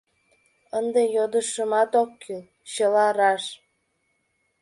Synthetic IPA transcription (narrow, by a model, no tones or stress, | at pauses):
ənd̪ejod̪əʃəmɑt̪okːyl | ɕəlɑɾɑʃ